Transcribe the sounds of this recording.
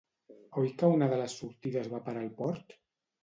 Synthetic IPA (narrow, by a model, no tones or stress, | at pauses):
ojkaunaðələsːuɾt̪iðəzβapaɾalˠpɔɾt̪